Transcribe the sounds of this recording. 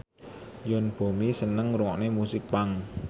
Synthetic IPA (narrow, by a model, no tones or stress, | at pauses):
jɔnb̥o̤misənəŋɾuŋɔʔnemusɪk̚paŋ